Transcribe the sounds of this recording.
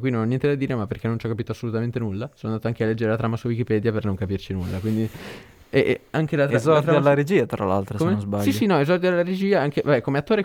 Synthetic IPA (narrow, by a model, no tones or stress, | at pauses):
kwinonɔnjɛnt̪ed̪ad̪iːɾemapːerkenːont͡ʃɔkːapit̪oasːolut̪ament̪enulːasonoanat̪oaŋkealːɛd͡ʒːeɾelat̪ɾaːmasuawikipɛd̪japernoŋkapirt͡ʃinulːakwind̪i | ɛʔaŋkelat̪azɔt̪ɾaaalːaɾed͡ʒiːat̪ɾa̰la̰lt̪ɾosmenzbalsissinɔezɔrd̪ialːaɾed͡ʒiːaaŋk̟evabɛkːomeat̪ːoːɾe